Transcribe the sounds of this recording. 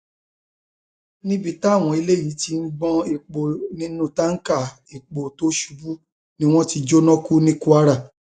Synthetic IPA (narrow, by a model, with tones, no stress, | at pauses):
nĩ˦bi˦ta˦˨w̃ɔ̃˨i˧le˦jĩ˨˦ti˧n̩˦ɡ͡bɔ̃˧i˨k͡po˨nĩ˧˦nũ˦ta˦ŋ̩˦ka˦˨ | i˨k͡po˨to˦ʃu˧bu˦ | nĩ˦w̃ɔ̃˦ti˧d͡ʒo˦nɔ̃˦ku˦nĩ˦ku˦a˦ɾa˦˨